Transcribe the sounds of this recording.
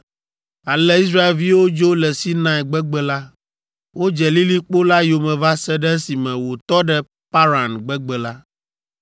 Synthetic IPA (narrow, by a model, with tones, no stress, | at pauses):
a˨lɛ˦i˦s̬ɾa˦e˨lvi˦wo˦d͡ʒo˦lɛ˨si˦nã˨ɛ˨ɡ͡bɛ˦ɡ͡bɛ˨la˦ | wo˦d͡ʒɛ˨li˦li˦k͡po˦la˦jo˨mɛ̃˨va˦sɛ˦ɖɛ˦si˨mɛ̃˨wo˨t̪ɔ˦ɖɛ˦ | pa˦ɾa˨nɡ͡bɛ˦ɡ͡bɛ˨la˦